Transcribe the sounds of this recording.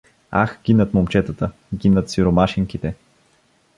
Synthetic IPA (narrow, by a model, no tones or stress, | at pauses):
a̰xɡ̥inət̪momt͡ʃɛt̪ət̪ə | ɡinət̪siɾomaʃiŋkit̪ɛ